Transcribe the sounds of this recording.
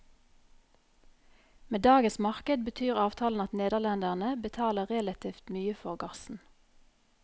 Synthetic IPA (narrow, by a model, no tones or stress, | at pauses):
meːd̪ɑːɡəsmɑʁkəd̪̚bət̪ʰyːʁɑːʋt̪ʰɑːln̩ɑt̪neːd̪əʁlɛnd̪æʁnəbət̪ʰɑːləʁɛlɑt̪ʰiːft̪myːəfɔʁɡɑsn̩